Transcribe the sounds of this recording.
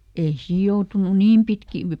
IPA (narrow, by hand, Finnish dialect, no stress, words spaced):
ei siːj̆ joutunu niːm pitkiː